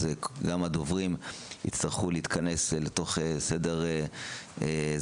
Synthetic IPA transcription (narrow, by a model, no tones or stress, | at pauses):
zeɡamad̪ovʁimḭt͡st̪aʁχuleit̪kʰane̞sleto̞χesede̞ʁeez